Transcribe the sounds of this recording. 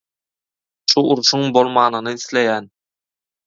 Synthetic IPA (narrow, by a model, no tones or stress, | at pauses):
ʃuʔuɾʃuŋbo̞lˠmɑːnɯnɯiθlejæːn